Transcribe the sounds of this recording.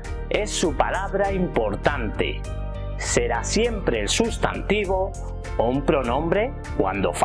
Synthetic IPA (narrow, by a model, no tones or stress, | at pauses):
esːupalaβɾaimpoɾt̪ant̪ḛ | seɾasjempɾeːlsust̪a̰nt̪iβ̞o | oumpɾonõmbɾe | kwa̰nd̪o̰f